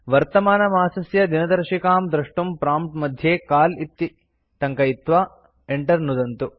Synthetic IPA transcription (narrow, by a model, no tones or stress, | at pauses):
ʋɐɾt̪ɐmaːnɐmaːsɐsjɐd̪inɐd̪ɐɾʂikaːmd̪ɾɐʂʈumpɾaːmʈmɐd̪ʱjeːkaːlit̪ːi | t̪ɐŋkɐit̪ʋaː | eɳʈɐɾnud̪ɐnt̪u